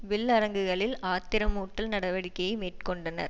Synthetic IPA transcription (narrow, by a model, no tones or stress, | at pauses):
ʋɪɭːɐɾɐŋɡɯɣɐɭɪlaːt̪ːɪɾɐmuːʈːɐlnɐɽɐʋɐɽɪkːɐjmeːʈkɔɳɖɐnɐ̰ɾ